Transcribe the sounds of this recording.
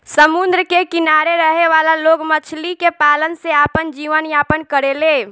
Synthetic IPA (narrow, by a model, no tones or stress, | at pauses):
səmund̪ɾəkekinaɾeɾəɦeʋalaloɡmət͡ʃʰlikepalənseapənd͡ʒiʋənjapənkəɾele